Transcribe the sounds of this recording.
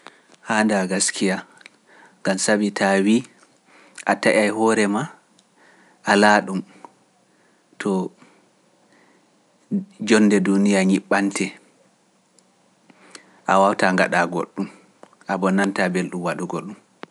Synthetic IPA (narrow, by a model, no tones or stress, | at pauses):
handaɡaskʰija | ŋɡamsabitʰawi | ʔataʔajhɔːɾɛma | ʔalaɗum | tʰɔ | d͡ʒɔnːdɛdunijaɲiɓːantʰɛ | ʔawawtaŋɡa̰ɗaɡo̰ɗːum | ʔabɔnːantabelɗumwaɗuɡolɗum